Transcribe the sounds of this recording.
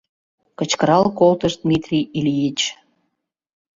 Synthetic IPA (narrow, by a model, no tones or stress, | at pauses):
kət͡ɕkəɾɑlkolt̪əʃd̪mit̪rʲiilʲijit͡ɕ